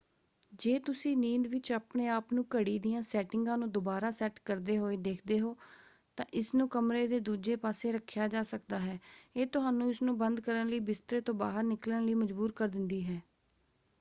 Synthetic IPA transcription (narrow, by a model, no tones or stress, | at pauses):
d͡ʒeːt̪ʊsĩːniːnd̪ʋɪt͡ʃaːpɳeːaːpnũːkəɽiːd̪ijãːsɛːʈɪŋɡãːnũːd̪ʊbaːɾaːsɛːʈkəɾd̪eːɦoːeːd̪eːkʰd̪eːɦoː | t̪ãːʔɪsnũːkəmɾeːd̪eːd̪uːd͡ʒeːpaːseːɾəkʰːjaːd͡ʒaːsəkd̪aːɦɛːeːt̪ʊɦaːnũːɪsnũːbənd̪kəɾənləiːbɪst̪ɾeːt̪õːbaːɦəɾnɪkləɳləiːməd͡ʒbuːɾkəɾd̪ɪnd̪iːɦɛː